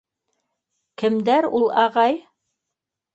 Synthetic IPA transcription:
kɘ̆md̪æɾulˠɑʁɑj

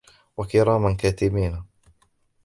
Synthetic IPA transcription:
wakɪɾˤɑːmankaːt̪ɪbiːna

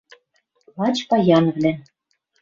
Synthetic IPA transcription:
lɑt͡ɕpɑjɑnvlæn

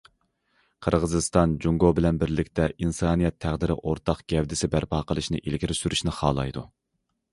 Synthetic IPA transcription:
qʰəɾʁəzɨst̪ɑnd͡ʒuŋɡobɪlɛnbɪɾlɪkʲt̪ɛinsɑːnijɛt̪ʰːæʁd̪ɪɾɪ̰ʔoɾt̪ʰɑqɡ̥ʲɛvd̪ɪsɪbæɾpʰɑːqʰəlˠɨʃnɨ̰ʔilɡʲiɾɪsyɾyʃnɪχɑ̰ːlˠɑ̰jd̪u

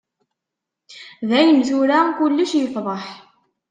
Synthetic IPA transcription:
ðæjəmzuɾakʊlːəʃjəfðˤɑħ

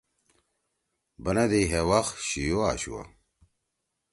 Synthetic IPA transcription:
bɐnɐd̪eɦewaxɕijoaɕṵwɐ̰

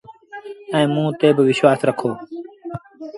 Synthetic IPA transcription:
ɛ̃ːmũːt̪eːbʋɪʃwaːsɾəkʰoː

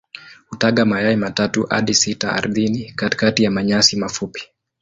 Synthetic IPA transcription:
hutaɠamajaimatatuʔa̰ɗisitaa̰ɾðinikati̥katijamaɲasimafupi̥

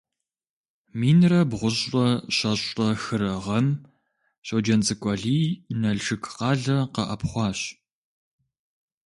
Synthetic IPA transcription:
miːnrɐbʁʷʊʑɐɕɐɕʼɐxɨɾɐʁɐm | ɕoːd͡ʒɐnt͡sʼɨkʷʼɐɮiːnɐɮʂɨkʰqɑːɮɐqɐʔɐpχʷɑːɕ

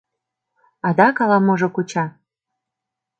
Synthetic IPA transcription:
ɑd̪ɑkɑlɑmoʒokut͡ɕɑ

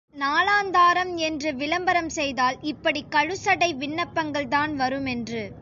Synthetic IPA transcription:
naːlaːnd̪aːɾɐmɛndrɯʋɪlɐmbɐɾɐmsɛjðaːlɪpːɐɽikɐɻɯsɐɽɐɪʋɪɳːɐpːɐŋɡɐɭt̪aːnʋɐɾɯmɛndrɯ

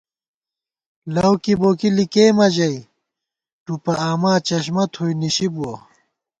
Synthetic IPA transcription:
lɐwkiboːkilikeːmɐd͡ʑɐi | ʈupɐaːmaːt͡ɕɐɕmɐt̪ʰojniɕibuwɐ

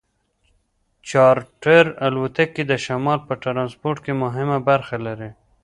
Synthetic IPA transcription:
t͡ʃɑɾʈeɾalwat̪akːed̪əʃamɑlpəʈɾɑnspoɾʈ̚kemʊɦɪmabaɾxalaɾi

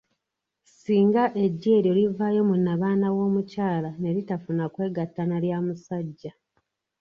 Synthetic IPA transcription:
siːŋɡaʔe̞ɟːe̞ːɾjolivaːjo̞munːaβaːnawo̞ːmucaːlane̞ɾitafunakwe̞ːɡatːanaljaːmusaɟːa

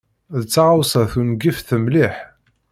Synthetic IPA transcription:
ðət͡sːaʕawsæθunɡifθəmliħ

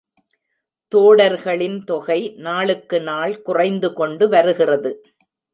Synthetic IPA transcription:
t̪oːɽɐɾɣɐɭɪnt̪ɔɣɐɪnaːɭɯkːɯnaːɭkʊrɐɪnd̪ɯkɔɳɖɯʋɐɾɯɣɪrɐðɯ

